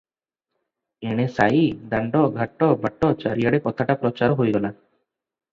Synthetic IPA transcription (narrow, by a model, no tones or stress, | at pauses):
eɽ̃esaid̪aɳɖɔɡʱaʈːɔbʱaʈːɔt͡ʃaɾijaɽekɔt̪ʰaʈapɾɔt͡ʃaɾɔɦojɡɔla